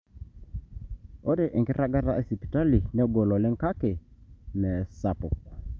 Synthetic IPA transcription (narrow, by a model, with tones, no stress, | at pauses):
o˦de˨ʔɛ˨ŋki˦ɾa˦ɡa˦ɾa̰˦e˨si˨pi̥˨ta˦li˨nɛ˦ɡo˨lɔ˨lɛ˦ŋka˦ke˨nɛ˨sa˨pʊ̰˨k̚